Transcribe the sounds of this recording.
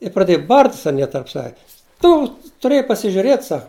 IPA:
ɪ prɐˈdʲeːjʊ ˈbɐrʲtʲsʲ ɐˈnʲiɛ tɐrp ˈsɑːʋʲɛ ˈtʊ tʊˈrʲeːjɛɪ pɐsʲɪʒʲʊˈrʲeːt ˈsɐk

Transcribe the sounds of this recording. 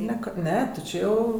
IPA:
ˈnʲɛ ˈkɐ ˈnʲɛ tʲɪ ˈt͡ʃʲeː jɛʊ

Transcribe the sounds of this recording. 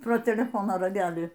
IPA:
proː tʲɛlʲɛˈfoːnoː rɐˈɡʲæːlʲiː

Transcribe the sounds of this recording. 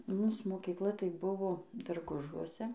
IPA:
ˈmuːs moːkʲiːˈklˠɐ tɐɪ ˈbʊʋoː dɐrˈɡʊʒuɔsʲɛ

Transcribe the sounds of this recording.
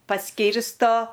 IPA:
pɐˈsʲkʲiːrstoː

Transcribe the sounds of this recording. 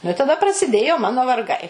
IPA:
nʊ ɪ tɐˈdɐ prɐsʲɪˈdʲeːjoː ˈmɑːnoː ʋɐrˈɡɐɪ

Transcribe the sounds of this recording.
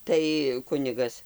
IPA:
ˈtɐɪ ˈkʊnʲɪɡɐs

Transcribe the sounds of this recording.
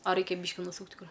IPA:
ɐ ˈrʲɛɪkʲɛ ˈbʲiːʃʲkʲɪ nʊˈsuːktʲ ˈkʊr

